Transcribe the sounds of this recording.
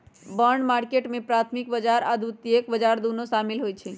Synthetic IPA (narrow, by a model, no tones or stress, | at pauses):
bəɾɳɖmaɾkeʈmẽpɾat̪ʰmikbəd͡ʒaɾad̪ʱut̪iekbəd͡ʒaɾd̪unosamilɦojt͡ʃʰɛ